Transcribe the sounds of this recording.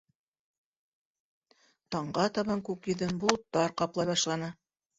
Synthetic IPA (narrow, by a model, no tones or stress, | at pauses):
t̪ɑɴɢɑt̪ɑβɑŋkʉkjɵ̆ðɘnbul̆ˠt̪ːɑɾqɑplˠɑjβɑʃlˠɑnɤ